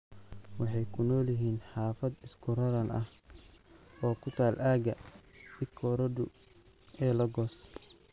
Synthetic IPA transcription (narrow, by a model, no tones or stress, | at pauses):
wɑħɑjkʰʊnɔːlɪɦiːnħɑːfɐd̪ɪskʰʊɾɐɾɐnɐh | ɔːkʰʊt̪ʰaːlʔaːɡɐɪkʰːɔːɾɐdʊ | ɛːlɐɡɔːs